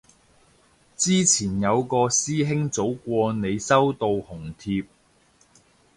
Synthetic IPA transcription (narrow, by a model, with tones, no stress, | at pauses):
t͡siː˥t͡sʰiː˨˩njɐ˨˧wkɔː˧siː˥ɦɪ˥ŋt͡so˨˥wkʷɔː˧ne˨˧jsɐ˥wt̪o˧whʊ˨˩ŋt̪ʰiː˧p̚